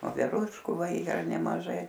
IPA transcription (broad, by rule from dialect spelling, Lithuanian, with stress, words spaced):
ʋoːʋʲɛˈruːʃkuː ˈʋɐ ˈiːrɐ nʲɛmɐˈʒɐɪ